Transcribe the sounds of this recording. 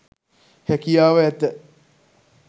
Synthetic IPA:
hækijaːʋəæt̪ə

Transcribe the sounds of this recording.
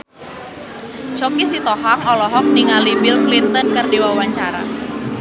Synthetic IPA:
t͡ʃɔkisit̪ɔhaŋɔlɔɦɔk̚niŋalibɪlklint̪ənkərdiwawaɲt͡ʃaɾa̰

